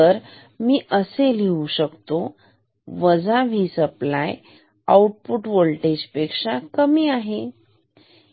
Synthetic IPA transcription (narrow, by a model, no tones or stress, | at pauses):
əɾ | miːʔəseliuɕəkt̪o | ʋəd͡zaʋisəplaj | auʈ̚puʈʋolʈed͡ʑpekʂakəmiːaɦe